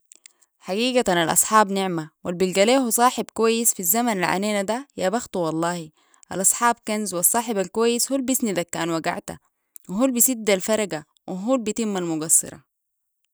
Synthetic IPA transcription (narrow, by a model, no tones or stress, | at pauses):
ħaɡiːɡat̪analʔɑ̰sˤħɑːbniʕmawalbilɡaleːhusˤɑːħibkuwajːisfizːamanalʕa̰neːnad̪ajaːbaxt̪uwɑlˤːɑːhi | ʔa̰lʔɑsˤħɑːb̚kanzwɑsˤːɑːħibalkuwajːishuːlbisnid̪akːaːnwaɡa̰ʕt̪a̰ | wiɦuːlbisid̪ːalfɑɾˤɑɡa | wʔiɦuːlbit̪imːalmuɡɑsːɨ̰ɾˤɑ̰